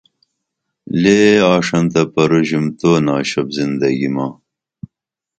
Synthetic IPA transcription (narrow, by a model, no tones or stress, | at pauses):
leːɑːʂɐnt̪ɐpɐɾuʑimt̪oːnɑːɕɐbzind̪ɐɡimɑː